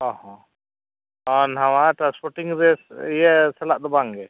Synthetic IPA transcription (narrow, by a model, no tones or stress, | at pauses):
ɔhɔ̃ | ɔnɦamaʈɾãnspɔɾʈiŋɾɛsijɛsɛlaʔd̪ɔbaŋɡɛ